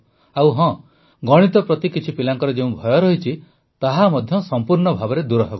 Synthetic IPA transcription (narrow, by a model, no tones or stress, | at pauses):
awɦɔ̃ | ɡɔɽ̃it̪ɔpɾɔt̪ikit͡ʃʰipilaŋkɔɾed͡ʒeũbʱɔjɔɾɔɦit͡ʃʰi | t̪aɦamɔd̪ʱjɔsɔmpuɾɳɔbʱabɔɾed̪uɾɔɦebɔ